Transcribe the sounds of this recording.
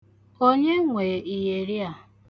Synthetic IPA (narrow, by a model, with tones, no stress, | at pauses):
o˦ɲe˦ŋʷe˨i˨je˨ɾi˦a˨